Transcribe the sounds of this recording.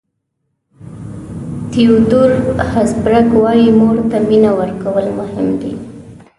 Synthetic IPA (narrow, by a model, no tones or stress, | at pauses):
t̪iud̪uɾhasbɾakwɑjimoɽt̪aminawəɾkawəlmʊhɪmd̪ḭ